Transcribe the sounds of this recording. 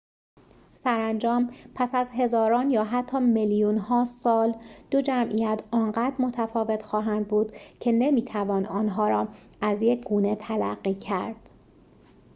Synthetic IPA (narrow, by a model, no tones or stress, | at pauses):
sæɾænd͡ʒɒːmpʰæsæzɦe̞zɒːɾɒːnjɒːɦæt̪ʰːɒːmeljunhɒːsɒːld̪̥o̞d͡ʒæmʔijæt̪ʰɒːnɢæːd̪ɾmo̞t̪ʰæfɒːve̞t̪ʰxɒːɦænd̪̚buːd̪̥cʰe̞ne̞miːt̪ʰævɒːnɒːnɦɒːɾɒː | æzjecʰɡuːne̞t̪ʰælæ̰ɢːiːcʰæɾd̪̥